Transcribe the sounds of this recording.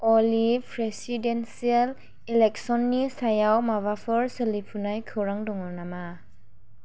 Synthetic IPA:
ɔlipʰɾesidensial | ilɛk̚sɔnːisajawmaβapʰɯɹselipʰunajkʰɯwɾaŋdɔŋɔnama

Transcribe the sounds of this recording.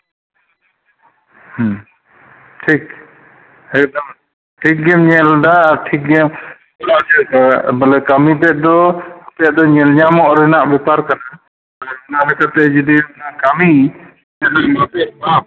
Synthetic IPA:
h | ʈʰik̚ | ɛk̚d̪am | ʈʰik̚ɡɛmɲɛldaːɾʈʰik̚ɡɛm | ɔlasɛbəlɛkamipɛʔ̚d̪ɔapɛaʔd̪ɔɲɛlɲamɔʔɾɛnaʔbɛpaɾkana | balɛɔnalɛkat̪ɛd͡ʒɛd̪iɔnakami | sɛd̪aŋmapɛba

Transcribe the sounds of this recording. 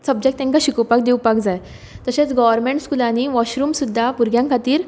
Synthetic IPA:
səb̚d͡ʑek̚t̪ɛ̃ŋkaɕikɔwpak̚d̪iwpak̚d͡zaj | t̪əset͡sɡɔʋəɾmẽɳʈskulañiʋɔɕɾuːmsud̪ʱːapuɾɡjãŋkʰat̪iːɾ

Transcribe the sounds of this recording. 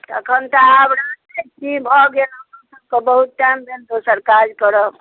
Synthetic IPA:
t̪ə̰kʰənt̪aəbɾad͡ʒekibʱɔɡelaksəb̚kebəɦut̪̚ʈambend̪osəɾkad͡ʒkəɾə

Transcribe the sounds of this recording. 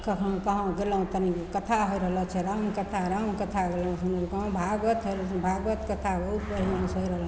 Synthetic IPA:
kʌkʰnõkʌɦãɡelãt̪ʌnikʌt̪ʰaɦojɾʌɦəlʌt͡ʃʰeɾamkʌt̪ʰaɾamkʌt̪ʰaɡelãw̃unʌɾukʌɦãbʱaɡʌt̪ɦʌjɾʌbʱaɡʌt̪kʌt̪ʰaɡoupʌɾimansɦoiɾʌɦl

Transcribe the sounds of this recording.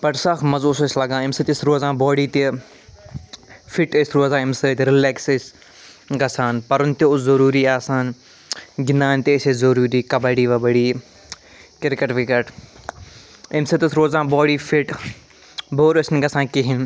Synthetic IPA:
pɐʈsaːxmɐzoːsɐslɐɡãːɪmsɐt̪isɾoːzãːbɔːɽiːt̪i | fiʈesɾoːzãːɪmset̪iɾɪleːkses | ɡɐsaːnpɐɾʊnt̪eʊzɐɾuːɾiːaːsaːn | ɡɪnaːnt̪eːsezɐɾuːɾiːkɐbɐɽiːʋɐbɐɽiː | kɪɾkɐʈʋikɐʈ | ɪmset̪isɾoːzãːbɔːɽiːfʰiʈ | boːɾesnɡɐsãːnkiɦɪn

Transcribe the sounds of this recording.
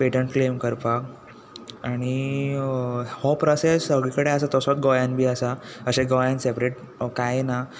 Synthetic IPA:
peʈəɳʈflemkəɾpak | aɽ̃i | hɔpɾɔsesəɡɭikəɽeəsat̪ɔsɔt̪̚ɡɔjãnbʱiːəsaəɕẽɡɔjansepɾeʈ̚ | kajena

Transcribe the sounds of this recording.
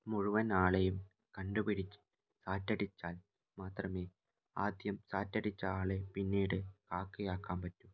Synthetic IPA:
muɻuʋɐnaːɭejum | kɐɳɖupiɽit͡ɕːɨ̥ | saːtːɐɽit͡ɕːaːl | maːt̪rɐmeː | aːd̪jɐmsaːtːɐɽit͡ɕːɐaːɭepinːiːɽɨkaːkːijaːkːaːmpɐtːu

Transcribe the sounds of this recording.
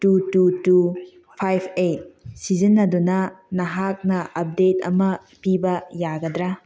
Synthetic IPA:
tututu | pʰajpʰet̚sizinːɐdunɐnɐɦak̚nɐʔɐp̚detɐ̰mɐ | pibɐjaɡɐdɾa

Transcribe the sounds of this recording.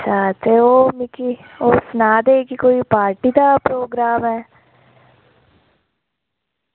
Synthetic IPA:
saːt̪eoːmɪkioːsnaːd̪ekikoːipaːɾʈid̪apɾoːɡɾaːmɦɛː

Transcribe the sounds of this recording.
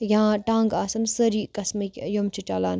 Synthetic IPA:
jãːʈãːŋɡaːsɐmsɐɾiːkɐsmɐkʲjomt͡ʃʰit͡ʃaːlaːn

